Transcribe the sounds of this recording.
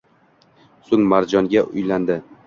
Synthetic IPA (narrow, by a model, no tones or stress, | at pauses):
sʊŋmaɾd͡ʒɒŋɡʲaʔʊjland̪ɪ